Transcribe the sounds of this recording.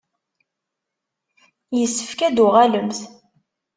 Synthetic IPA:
jəsːəfkæd̪ʊʁæləmθ

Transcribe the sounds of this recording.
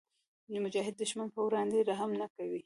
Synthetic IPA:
mʊd͡ʒɑɦɪd̪ːəʃmanpəwɾɑnd̪eɾaɦamnakawi

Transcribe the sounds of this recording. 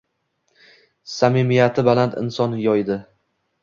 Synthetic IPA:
samimijat̪ʰɪbalant̪ʰɪ̰nsɒnjɒjd̪ɪ

